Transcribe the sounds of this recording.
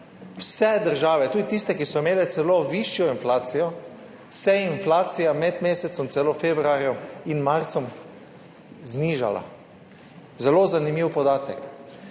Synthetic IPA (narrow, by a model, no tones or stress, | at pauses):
wsɛd̪əɾʒaːʋɛt̪uːd̪it̪ist̪ɛkisɔimeːlɛt̪sɛloʋiʃjɔinflaːt̪sijɔ | sɛinflaːt̪sijamɛd̪meːsɛt̪sɔmt̪sɛlofeːbɾuaɾjɔminmaɾt̪sɔm | zniːʒa̰la̰ | zɛloːzanimiːwpɔd̪aːt̪ɛk